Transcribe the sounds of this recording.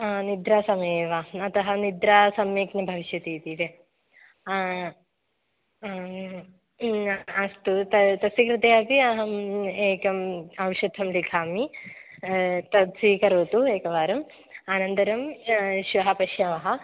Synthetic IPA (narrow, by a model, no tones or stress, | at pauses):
nid̪ɾaːsɐmɐjeːʋɐɐt̪ɐɦɐnid̪ɾaːsɐmjeːknɐbʱɐʋiʃjɐt̪iːt̪it̪e | ɐst̪ut̪ɐt̪ɐsikɾɪt̪ɐjaːpiɐɦɐeːkɐmɐʋʃud̪ʱːɐmlikʰaːmi | t̪ɐt̪sikɐɾoːt̪ueːkɐʋaːɾɐm | aːnɐnt̪ɐɾɐmʃʋɐɦɐpɐʃjɐʋɐɦɐ̆